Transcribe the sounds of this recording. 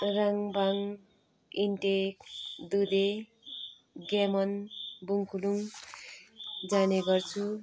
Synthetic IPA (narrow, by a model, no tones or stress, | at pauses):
raŋbaŋ | iɳʈekd̪ud̪e | ɡamʌnbuŋkuluŋ | d͡zaneɡʌrt͡sʰu